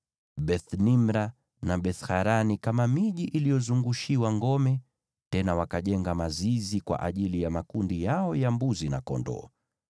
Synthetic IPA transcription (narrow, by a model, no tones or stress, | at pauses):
ɓɛθnimɾa | naɓɛθhaɾanikamamiʄiʔilijɔzuŋɡuʃiwaŋɡɔmɛ | tɛnawakaʄɛŋɡamazizikwa̰ʔaʄilijamakundijaɔjambuzinakɔ̰ndɔ̰ː